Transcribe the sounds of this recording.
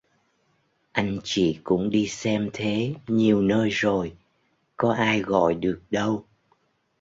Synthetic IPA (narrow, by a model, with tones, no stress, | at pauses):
ʔa˧jŋ̟t͡ɕḭ˧˨kʊ̰˧˥ŋ͡mɗi˧sɛ˧mt̪ʰe˨˦ɲi˨˩əwnəː˧jzo˨˩j | kɔ˨˦ʔaː˧jɣɔ̰˧˨jɗɨ˨˩ək̚ɗə˧w